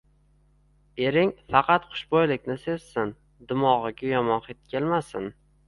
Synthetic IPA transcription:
e̞ɾɪŋfɑqʰɑt̪qʰʊ̥ʃbojlɪkʲnɪse̞zsɪn | d̪ʊmɒʁɨɡʲʊjɒmɒnqet̪̚kʲʰelmasɪn

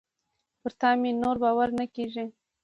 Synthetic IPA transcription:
pəɾt̪ɑminoɾbɑwaɾnakeʒi

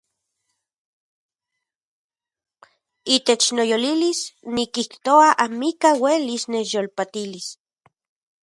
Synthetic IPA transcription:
it̪et͡ʃnojolilisnikiht̪oaʔamikawelisnet͡ʃjolpat̪ilis

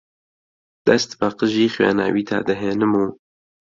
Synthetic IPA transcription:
d̪̥ɐst̪baqəʒiːxwa̰ːna̰ːwiːt̪ʰa̰ːd̪ɨɦeːnɨmuː

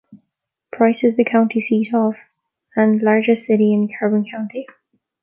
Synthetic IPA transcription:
pʰɹ̥aɪsɪzðəkʰãʊ̃ntʰisiɾəv | ə̃nlaɹd͡ʒəsɪɾiɪ̃nðəkʰaɹbə̃nkʰãʊ̃nti

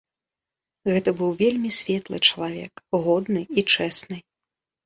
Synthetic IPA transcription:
ɣɛt̪ɐbɨwvʲelʲmʲisʲvʲɛt̪lˠɨ̰t͡ʂɐlˠavʲɛ̰kɣɔd̪nɨit͡ʂɛsnɨ

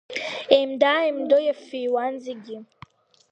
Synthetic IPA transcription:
emd̪aːɛmd̪ɔjɛfiwanziɡi

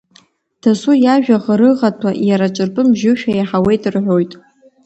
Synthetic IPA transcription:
d̥asujaʒᶣaʁɾɨʁatʰwaʔjaɾat͡ʃʷʼɨrpʼɨmʒɪʃᶣajaħawe̞jtʼɨrħʷᶣo̞jtʼ

